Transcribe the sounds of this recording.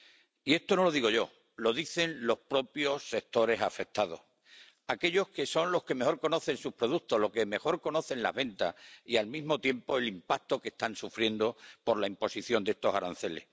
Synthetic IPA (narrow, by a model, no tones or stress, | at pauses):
ie̞st̪ono̞lo̞ð̞iɣo̞ʝo̞ | lo̞ðiθe̞nlo̞hpɾo̞pjo̞sːe̞k̚t̪o̞ɾe̞safe̞k̚t̪aðo̞̰h | ake̞ʎo̞hke̞so̞nlo̞hke̞mexo̞ɾko̞no̞θe̞nsupɾo̞ð̞ukt̪olo̞keme̞xo̞ɾko̞no̞θe̞nla̰ɦβe̞nt̪asialmizmo̞t̪je̞mpo̞e̞limpak̚t̪o̞ke̞st̪ansufɾje̞nd̪opo̞ɾlaimpo̞siθjo̞nd̪ee̞st̪o̞saɾanθe̞le̞̰s